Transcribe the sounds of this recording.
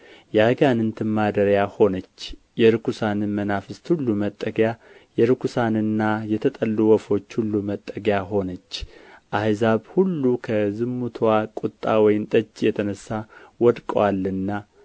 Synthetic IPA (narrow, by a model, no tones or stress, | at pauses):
jaɡanɨnt̪ʰɨmːad̪əɾjaho̞nət͡ʃː | jɛɾɨkʰusanɨnmənafɨst̪hulːumət̪ʼːəɡja | jɛɾɨkʰusanɨnːajɛt̪ʰət̪ʼəlːuwɔfo̞t͡ʃːhulːumət̪ʼːəɡjaɦo̞nət͡ʃːʔajzaβhulːukʰəzɨmːut̪ʰwakʼut̪ʼːawɔjɪmt̪ʼət͡ʃʼːjɛt̪ʰənəsːawɔd̪kʼəwalːɨnːa